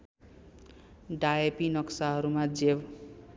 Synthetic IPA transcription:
ɖaepinʌksaɦʌɾumad͡zeb

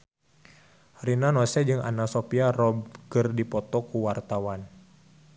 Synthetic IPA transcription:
rinanɔsɛd͡ʒɨŋa̰nasopiarɔbɡərdipɔt̪ɔkuwart̪awan

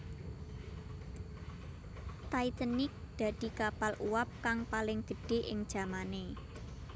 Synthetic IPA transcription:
t̪ait̪ənɪk̚d̪̥ä̤d̪̥i̤kapalʔuwap̚kaŋpalɪŋd̪̥ə̤ɖ̥e̤ʔɪ̰ŋd̥ʒ̥ä̤mane

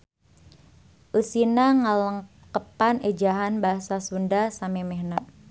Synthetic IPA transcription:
ʔusinaŋaləŋ | kəpaned͡ʒaɦanbaɦasasundasamemehnaʔ̚

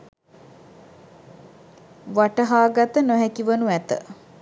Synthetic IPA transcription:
ʋaʈəɦaːɡat̪ənoɦɛkiʋənuæt̪ə̰

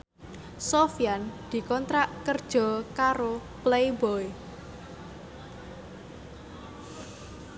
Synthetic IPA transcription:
sofjand̪̥i̤kɔnt̪ɾaʔkərd̥ʒ̥ɔ̤kaɾoplejbɔj

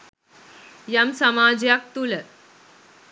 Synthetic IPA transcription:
jamsɐmad͡ʑjak̚t̪ulə

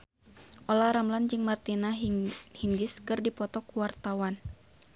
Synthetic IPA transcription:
ʔɔlaɾamland͡ʒɨŋmart̪inahiŋɡɪskɨrdipɔt̪ɔkuwart̪awan

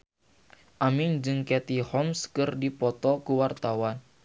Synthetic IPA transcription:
ʔamiŋd͡ʒɨŋkɛt̪ihɔmskɨrdipɔt̪ɔkuwart̪awan

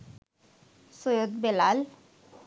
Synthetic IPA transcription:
sojod̪belal

